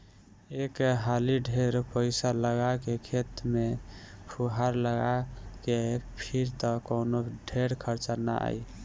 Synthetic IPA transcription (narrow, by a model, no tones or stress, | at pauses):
ekɦaliɖʱeɾpəɪsaləɡakekʰet̪mepʰuɦaɾləɡakepʰiɾt̪ɔkonoɖʱeɾkʰəɾt͡ʃana̰a̰j